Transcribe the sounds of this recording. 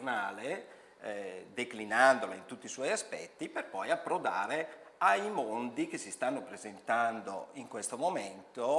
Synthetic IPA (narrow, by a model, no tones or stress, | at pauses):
naːle | d̪eklinand̪olaint̪ut̪ːiːswɔjaspɛ̰t̪ːiperpɔjapːɾod̪a̰ːɾeajmond̪ik̟esːist̪anːopɾezent̪and̪o̰iŋkwest̪omoment̪o